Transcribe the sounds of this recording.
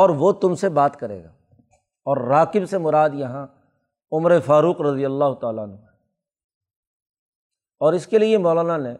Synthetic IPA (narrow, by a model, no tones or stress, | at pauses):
ɔːɾʋot̪ʊmsebaːt̪kɐɾḛːɡa̰ː | ɔːɾːaːqɪbsemʊɾaːd̪jɐɦã | ʊmɾefaːɾuːqɾɐd̪ijəlːaːɦʊt̪aːlaənɦũ | ɔːɾɪskeliemɔːlaːnanɛ̃ː